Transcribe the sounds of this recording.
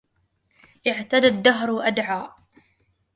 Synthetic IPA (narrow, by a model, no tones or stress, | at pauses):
ʔɪʕt̪ad̪ad̪ːaɦɾʔad̪ʕaːʔ